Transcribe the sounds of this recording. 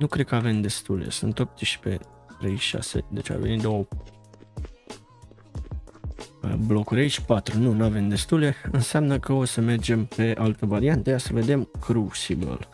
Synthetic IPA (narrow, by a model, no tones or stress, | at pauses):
nukɾekəave̞md̪e̞st̪uljḛsɨnt̪o̞p̚t̪iʃpe̞̰ | t̪ɾe̞jʃa̰se̞̰d̪e̞t͡ʃa̰venit̪d̪o̞ə | ə̰blo̞kuɾʲait͡ʃʲpat̪ɾununuave̞md̪e̞st̪uleɨnseamnəkəo̞səme̞rd͡ʒe̞mpe̞ʔalt̪əvaɾiant̪əkasəve̞d̪e̞mkʰɾusibə̰l